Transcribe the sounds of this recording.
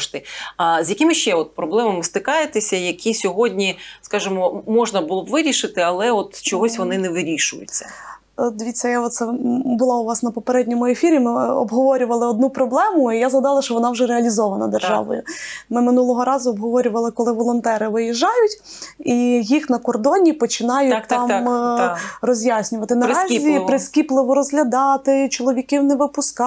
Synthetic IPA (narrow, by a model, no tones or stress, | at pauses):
ʃt̪ɪzjɐkʲɪmɪʃt͡ʃɛɔt̪̚pɾɔblˠɛmɐmɪst̪ɪkɑjet̪ɪsʲɐjɐkʲʰisʲɔɦɔdʲnʲiskɑʒɪmɔmɔʒnɐbʊlˠɔbʋɪɾʲiʃɪt̪ɪɐlˠɛɔt̪t͡ʃɔɦɔsʲʋɔnɪnɛʋɪɾʲiʃʊjʊ̰t͡sʲːɐ̰ | d̪ʋʲit͡sʲːɐjaɔt̪t̪sɛbʊlˠɑʊʋɑsnɐpɔpeɾɛdʲnʲɔmʊefʲiɾʲimɪɔ̰bɦɔʋɔɾʲʊʋɐlˠɪɔd̪̚nupɾɔblˠɛmʊijazɦɐd̪ɑlˠɐʃt͡ʃɔʋɔnɑwʒɛɾeɐlʲizɔʋɐnɐd̪erʒɑ̰ʋɔ̰jʊ̰mɪmɪnulˠɔɦɔɾɑzʊɔbɦɔʋɔɾʲʊʋɐlˠɪkɔlˠɪʋɔlˠɔnt̪ɛɾɪʋɪjɛʒːɑjʊtʲ | ijixnɐkɔrd̪ɔnʲipɔt͡ʃɪnɑjʊt̚ʲt̪ɑm | rɔzʲjasʲnʲʊʋɐt̪ɪnɐɾɑzʲipɾɪskʲiplˠɪʋɔɾɔzɦlʲɐd̪ɑt̪ɪt͡ʃɔlˠɔʋʲikiwnɛʋɪpʊskɑ